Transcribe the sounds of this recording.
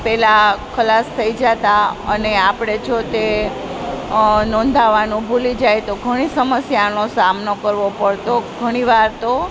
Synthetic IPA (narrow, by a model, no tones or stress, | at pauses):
pɛlakʰəlast̪ʰəid͡ʒat̪aəneapɽ̃et͡ʃʰot̪e | nɔ̃nd̪ʱaʋanũbʱulid͡ʒajt̪oɡʱəɽ̃isəməsjanosamnokəɾʋopəɽt̪oɡʱəɽ̃iʋaɾt̪o